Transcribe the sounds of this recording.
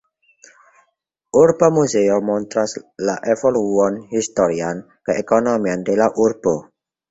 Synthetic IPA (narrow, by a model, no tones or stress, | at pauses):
ʔurbɔmuzeomɔnt̪ɾaslaʔevoluɔnhist̪oɾian | kəʔekonomiand̪elaʔurb̥ɔ